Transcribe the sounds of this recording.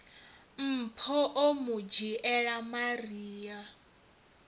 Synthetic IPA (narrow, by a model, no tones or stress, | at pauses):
m̩pʰɔʔomud͡ʒiʔɛɺamariːja